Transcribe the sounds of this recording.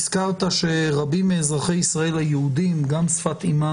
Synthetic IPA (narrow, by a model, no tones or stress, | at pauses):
skaʁt̪aʃe̞ʁabimːeːzʁaχejisʁae̞lhajeud̪imɡamsfat̪ima